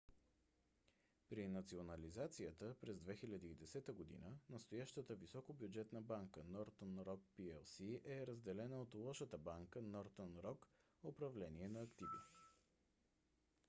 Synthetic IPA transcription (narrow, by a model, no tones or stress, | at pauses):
pɾinɐt̪sionəlizat̪sijət̪əpɾɛzd̪vɛxilʲəd̪iːd̪ɛsɛt̪əɡod̪ḭnənəst̪ojaʃt̪ət̪əvisɔkobjʊd͡ʒɛt̪nəbaŋkənɔɾt̪ənɾɔk̚piɛlsiʔɛɾəzd̪ɛlɛnəot̪lˠɔʃət̪əbaŋkənɔɾt̪ənɾɔk | opɾɐvlɛniɛnɐːkt̪ivḭ